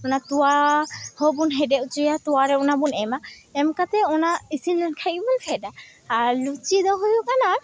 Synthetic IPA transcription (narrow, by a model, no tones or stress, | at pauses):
ɔnat̪uahɔbunɦɛdɛut͡ʃijat̪uwaɾɛɔnabunɛmaɛmkat̪ɛɔnaisind̪ɔnkʰajibunfʰɛdaː | ɾlut͡ʃid̪ɔɦujukana